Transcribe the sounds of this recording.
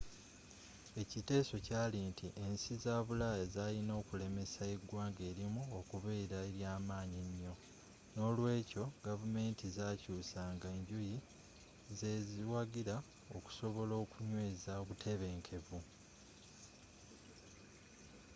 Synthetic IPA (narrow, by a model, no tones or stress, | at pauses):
e̞cite̞ːso̞caːlintiʔe̞nsizaːβulajazaːlino̞ːkule̞me̞saeɡwaːŋɡe̞ːɾimuokuβe̞ːɾaeɾjaːmaːɲiɲːo̞ | no̞ːlwe̞ːco̞ɡavume̞ːntizaːcuːsaŋɡaeːɲɟuji | ze̞ziwaɡiɾa | o̞ku̥so̞βo̞lo̞ːkuɲwe̞ːzaoβutʰe̞βe̞ːŋkʰe̞vu